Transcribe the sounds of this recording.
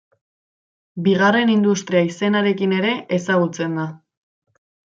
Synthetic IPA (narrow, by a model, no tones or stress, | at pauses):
biɣ̞are̞nind̪ust̪ɾiaise̞naɾe̞kine̞ɾe̞ʔesaɣut͡se̞nd̪a